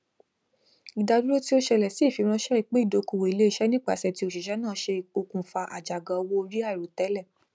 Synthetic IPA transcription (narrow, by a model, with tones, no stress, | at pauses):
i˨da˧du˦ɾo˦ti˦o˦ʃɛ˧lɛ˨si˨˦˨fi˨˧˦ɾ̃ã˧˦ʃɛ˦i˦˨k͡pe˦i˦˨do˨˦ko˨wo˨i˨le˨˦i˦˨ʃɛ˨˦nĩ˦k͡pa̰˦˨sɛ˧˨ti˦o˧˨ʃi˨ʃɛ˨˦nãː˦˨˦ʃe˧o˧kũ˨fa˧ʔa̰˨d͡ʒa˨ɡã˨ɔ˧wo˦o˧ɾi˦a˦˨i˨ɾo˨tɛ˨˦lɛ˦˨